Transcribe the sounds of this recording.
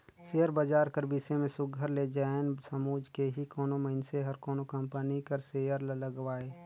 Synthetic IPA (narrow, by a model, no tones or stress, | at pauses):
seːjəɾbəd͡ʒaːɾkəɾbɪsemẽsʊɡʱəɾled͡ʒaːensəmuːd͡ʒkeɦikoːnoməɪnseɦɐɾkoːnokə̃mpənikəɾseːjəɾlələɡwaːeː